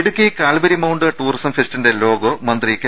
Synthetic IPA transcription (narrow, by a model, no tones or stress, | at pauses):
ɽukʲːikaːlbɐɾimɐwɳɖɨʈuːrisɐmfestinde̞lo̞ːɡomɐnd̪rikʲːɐ